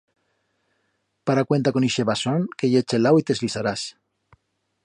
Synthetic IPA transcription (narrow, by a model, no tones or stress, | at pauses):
paɾakwe̞nt̪akoniʃeβasoŋkeʝet͡ʃelawit̪e̞zlisaɾas